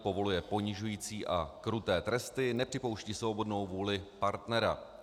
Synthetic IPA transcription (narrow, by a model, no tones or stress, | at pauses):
po̞vo̞lujɛpo̞ɲɪʒujiːt͡siːʔa̰kɾut̪ɛːt̪ɾɛst̪ɪnɛpr̥ɪpo̞wʃciːsvobo̞dno̞wvuːlɪpaɾt̪nɛɾa̰